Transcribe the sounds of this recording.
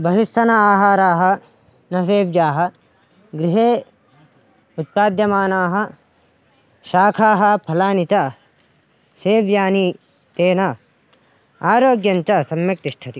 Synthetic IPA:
bɐɦist̪ɐnɐaːɦaːɾaːɦɐ̆ | nɐs̬eːʋjaːɦɐ̆ | ɡɾiɦeː | ut̪̚paːd̪jɐmaːnaːɦɐ | ʃaːkʰaːɦɐ̆pʰɐlaːnit͡ʃɐ | seːʋjaːni | t̪eːnɐ | aːɾoːɡjɐnt͡ʃɐsɐmjɐk̚t̪iʃʈʰɐt̪i

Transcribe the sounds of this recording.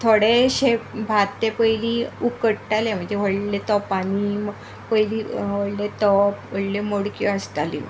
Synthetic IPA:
t̪ʰoɽeɕebʱat̪ːepəjliːukəʈʈalem̤əɳd͡zeʋəɽlet̪ɔpanim | pəjliːʋəɽlet̪ɔpʋəɽlemoɽkiəsʈ̪alḭ

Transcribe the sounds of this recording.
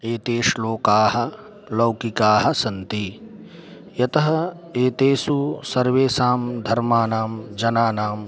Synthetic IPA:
eːt̪eːʃloːkaːɦɐ̆ | lɐwkikaːɦɐ̆sɐnt̪i | jɐt̪ɐɦɐ | eːt̪eːsusɐɾʋeːsaːmd̪ʱɐɾmaːnaːmd͡ʒɐnaːnaːm

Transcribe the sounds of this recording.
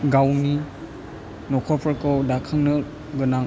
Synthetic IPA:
ɡawni | nɔkʰɔpʰɔkɔwdakʰaŋnɯ | ɡɯna

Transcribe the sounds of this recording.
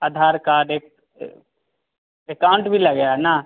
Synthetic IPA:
ad̪ʱaːɾkaɾeːk̚ | ekaʊ̃ɳʈbʱilɐɡəjana

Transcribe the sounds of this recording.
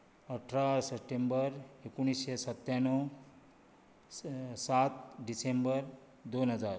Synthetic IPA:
ʌʈʰɾasepʈembʌɾekuñisesʌt̪janɔ | sat̪̚ɖisembʌɾ | d̪onɦʌd͡zaɾ

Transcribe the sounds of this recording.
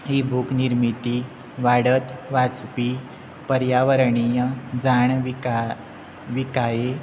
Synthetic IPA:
ɦibʱukniɾmit̪i | ʋaɽət̪ʋat͡spi | pəɾjaʋəɾɳijəd͡zaɳʋika | ʋikaje

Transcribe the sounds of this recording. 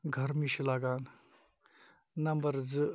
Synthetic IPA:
ɡʱɐɾmiɕilaɡaːn | nɐmbɐɾd͡zɨ

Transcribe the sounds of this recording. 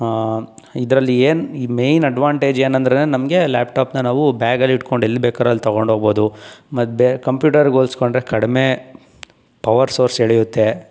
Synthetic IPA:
id̪ɾɐlːieːniːme̞jnɐɖʋaːɳʈeːd͡ʒeːnɐnd̪ɾɐnenɐmɡe̞laːpʈaːpnɐnaːʋubaːɡɐlːiʈko̞ɳɖelːibeːkaːɾɐlːit̪ɐɡoɳɖʱɦoɡbo̞ːd̪umɐbekɐmpjuːʈɐɾɡoːlskoɳɖɾekɐɽime | pɐʋɐɾsoːɾseɭɛjut̪ːe̞

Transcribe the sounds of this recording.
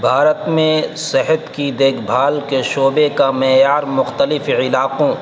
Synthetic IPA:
bʱaːɾət̪mẽsɪɦət̪kid̪eːkʰbʱaːlkeʃoːbekamɛːjaːɾmʊxt̪əlɪfɪlaːqõ

